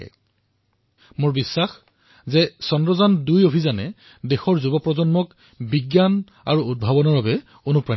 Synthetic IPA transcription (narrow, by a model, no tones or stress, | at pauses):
ɛ̰ | moɹbisːax | zɛsɔndɹɔzandujopʰizanɛ | dexɔɹzubɔpɹɔzɔnmɔk | biɡjan | a̰ɹuud̚bʱabɔnɔɹbabɛ | onupɹa